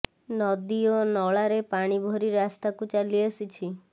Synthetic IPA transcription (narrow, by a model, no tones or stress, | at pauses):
nɔd̪ionɔɭaɾepaɽ̃ibʱɔɾiɾast̪akut͡ʃaliəsit͡ʃʰi